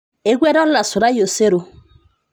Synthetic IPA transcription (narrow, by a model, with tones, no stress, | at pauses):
e˦ɡʷwɛ˦ɾɔ˦la˨sʊ˨ɾa˦jo˨se˦ɾo˨